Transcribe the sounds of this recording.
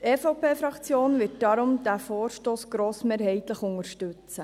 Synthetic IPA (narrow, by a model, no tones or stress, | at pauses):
tɛːfɑpeːfɾɑkt͡sjoːnvɪːt̚d̥ɑɾʊmd̥̪æːfoːɾʃtoːsɡ̥ɾoːsmeːɾɦhɛɪt̪ləχʊŋəɾʃtɵt͡sə